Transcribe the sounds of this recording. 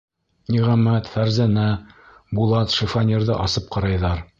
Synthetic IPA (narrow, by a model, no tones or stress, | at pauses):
nʲiʁæmæt̪fæɾzænæ | bulˠɑt̪ʃɘ̆fɑnʲeɾðɤ̰ʔɑsɤp̚qɑɾɑjðɑɾ